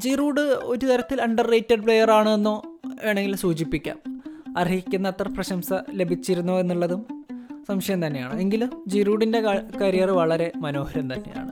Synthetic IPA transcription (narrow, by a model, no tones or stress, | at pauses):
d͡ʑiːruːɽɨo̞ɾut̪ɐɾɐt̪ːilɐɳɖɐrːeːtːeɖpɭejɐraːɳɨenːo̞ːe̞ːɳeŋɡilsuːd͡ʑipːikʲːa̰ːmɐriɣikʲːunːɐɐt̪ːrɐprɐɕɐmsɐle̞bʱit͡ɕːiɾunːue̞nːuɭːɐðumsɐmɕɐjɐmt̪ɐnːeja̰ːɳɨe̞ŋɡilumd͡ʑiːruːɽinde̞kɐɾijɐrɨʋɐɭɐɾe̞mɐno̞ːhɐɾɐmt̪ɐnːe̞̰ja̰ːɳɨ